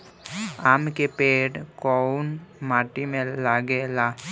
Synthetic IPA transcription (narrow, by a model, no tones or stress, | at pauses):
amkepeɖkɔnmaʈimẽlaɡela